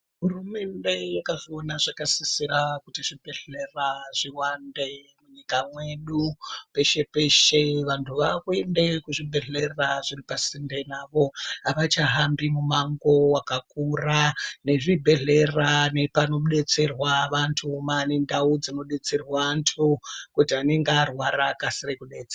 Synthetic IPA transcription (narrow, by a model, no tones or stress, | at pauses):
ɦurume̞nde̞jakaʐionaʐakasisiɾakutiʐibʱe̞ɮe̞raʐ̥iwande | muɲikamwe̞ɗupe̞ʃe̞pe̞ʃe̞ʋantʰuʋakuende̞kuʐibʱe̞ɮe̞raʐiripasinde̞naʋo̞aʋat͡ʃaɦambimumaŋɡo̞wakakurane̞ʐibʱe̞ɮe̞rane̞pano̞ɗe̞t͡se̞rwaʋantʰumanendaud͡zino̞ɗe̞t͡se̞rwantʰukutiane̞ŋɡarwaɾakasirekuɗeːt͡sea